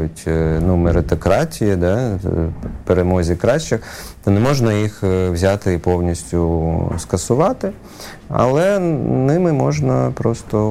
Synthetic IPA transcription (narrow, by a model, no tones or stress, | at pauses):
jʊtʲnumeɾɪt̪ɔkɾɑtʲijid̪ɛ | peɾemɔzʲikɾɑʃt͡ʃɪt̪ɐnɛmɔʒnɐjixwzʲaɑt̪ɪːpɔwnʲisʲtʲʊskɐsʊʋɑt̪ɪ | ɐ̰lˠɛnɪmɪmɔʒnɐpɾɔst̪ɔ